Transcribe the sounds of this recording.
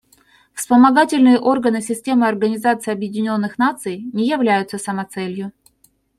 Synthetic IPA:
fspəmɐɡatʲɪlʲnɨjəʔo̞rɡənɨsʲɪsʲtʲe̞mɨɐrɡənʲɪzat̪sɨjɐbjɪdʲɪnʲo̞nːɨxnat̪sɨjnʲɪjɪvlʲæjʊt̪səsəmɐt̪sɛlʲjʊ

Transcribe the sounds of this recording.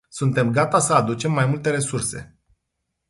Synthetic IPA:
sunt̪e̞mɡat̪asəad̪ut͡ʃe̞mːajmult̪e̞ɾe̞surse̞̰

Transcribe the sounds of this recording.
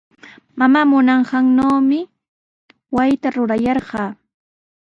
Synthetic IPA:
mamaːmʊnɑɴɢɑŋnoːmɪ | wajt̪aɾʊɾajɑɾɢɑː

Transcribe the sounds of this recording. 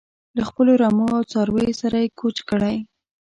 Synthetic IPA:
laxpəloɾɑmoawt͡sɑɾwejosaɾajekʰot͡ʃkəɽaj

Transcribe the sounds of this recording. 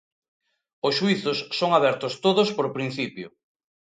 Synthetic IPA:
ʊsʃuiθʊsːoŋaβɛɾt̪ʊst̪oðʊspoɾpɾin̟θipjʊ̰

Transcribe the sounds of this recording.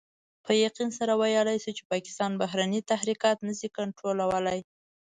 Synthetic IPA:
pʰəjaqinsaɾawajəlajsut͡ʃe̥pɑkɪ̥st̪ɑnbaɦɾanit̪ahɾikɑt̪nəzikaɳʈɾolawəlaj

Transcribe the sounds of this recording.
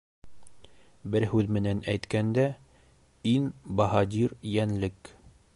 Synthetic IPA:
bɘɾɦʉðmɘ̆nænæjt̪kænd̪æ | inbɑɦɑd̪ʲiɾjænlɘk

